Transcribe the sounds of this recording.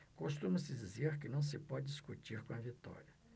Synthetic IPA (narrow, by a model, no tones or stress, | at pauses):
koʃt̪ũmɐsɪd͡ʒizeɾkɪnɐ̃w̃sɪpɔd͡ʒɪiskut͡ʃiɾkõɐvit̪ɔ̰ɾiɐ